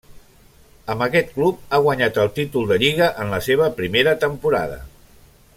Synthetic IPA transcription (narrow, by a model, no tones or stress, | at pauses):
əmbəkɛt̪̚klup̚aɣwaɲat̪əlˠt̪it̪ulˠd̪əʎiɣ̞əʔənləseβ̞əpɾimeɾət̪əmpuɾa̰ðə̰